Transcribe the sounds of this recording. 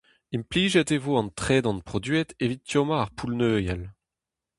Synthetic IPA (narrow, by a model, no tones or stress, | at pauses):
impliːʒɛt̪evoɑ̃nt̪χɛːd̪ɑ̃npχɔd̪yɛt̪evit̪̚ːjomaːʁpʰulnøːjal